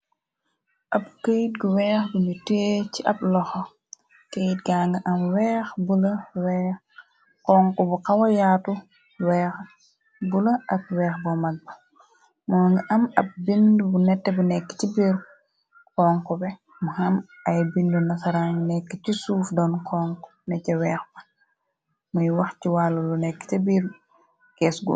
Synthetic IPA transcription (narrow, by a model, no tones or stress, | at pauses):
ʔɐp̚kejt̚ɡuwɛːxbuɲuteːciʔɐb̚lɔxɔ | kejt̚ɡaːŋɡɐʔɐmwɛːxbulɐwɛːx | kɔːŋkɔbukɐwɐjaːtu | wɛːx | bulɐʔɐk̚wɛːxbɔmɐɡ̚bɐ | mɔːŋɡiʔɐmɐp̚bindubunɛtːɛbunɛkːi̥tibiɾ | kɔŋkɔbɛ | muhɐm | ɐjbindunɐsaɾaŋnɛkːicisuːfdɔnkʰɔŋkɔ̥nɛcɐwɛːxbɐ̥ | mujwɐxciwaːlːulunɛkːi̥tɐbiɾ | kɛːsɡṵ